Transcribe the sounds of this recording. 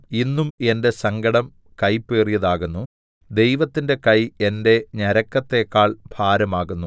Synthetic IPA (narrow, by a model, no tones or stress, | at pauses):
inːume̞nde̞sɐŋɡɐɽɐm | kɐjpːeːrijɐðaːɣunːu | d̪e̞jʋɐt̪ːinde̞kɐje̞nde̞ɲɐɾɐkːɐt̪ːe̞kːaːɭbʱaːɾɐmaːɣunːu